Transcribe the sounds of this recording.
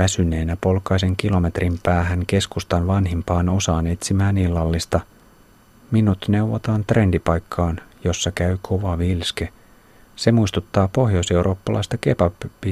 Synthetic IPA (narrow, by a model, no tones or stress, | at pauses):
ʋæsyne̞ːnæpo̞lkɑjse̞ŋk̟ilo̞me̞t̪rimpæːɦæŋke̞skust̪ɑnʋɑnɦimpɑːno̞sɑːne̞t̪simæːnilːɑlːist̪ɑ | minut̪ne̞wʋot̪ɑːnt̪re̞ndipɑjkʰːɑːnjo̞sːɑkæykʰo̞ʋɑʋilske̞ | se̞muist̪ut̪ːɑːpo̞hjose̞uɾʔo̞ːpːɑlʔɑ̰jst̪ɑke̞pɑpːi